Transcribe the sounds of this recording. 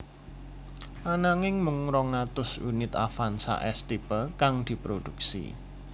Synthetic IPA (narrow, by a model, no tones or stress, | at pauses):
ʔanaŋɪŋmʊŋɾɔŋat̪ʊsṵnɪt̪afansa̰ʔɛst̪ipəkaŋd̪̥i̤pɾod̥̪uk̚sḭ